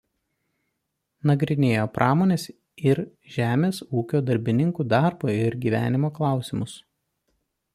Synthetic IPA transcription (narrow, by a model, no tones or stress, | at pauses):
nɐɡɾʲɪnʲeːjoːpɾʔɑːmoːnʲeːs | ɪɾ | ʒʲæːmʲeːsuːkʲoːd̪ɐɾʲbʲɪnʲɪŋkuːd̪ɑɾboːɪɾɡʲiːʋʲæ̰ːnʲɪmoːklˠɑˑʊsʲɪmʊs